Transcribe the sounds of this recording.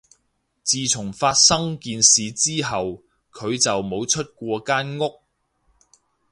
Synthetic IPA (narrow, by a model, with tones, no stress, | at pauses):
t͡siː˨t͡sʰʊ˨˩ŋfaː˧t̚sɐ˥ŋkiː˧nsiː˨t͡siː˥ɦɐ˨w | kʰɵ˨˧ɥt͡sɐ˨wmo˨˧wt͡ʃʰɵ˥t̚kʷɔː˧kaː˥nŋʊ˥k̚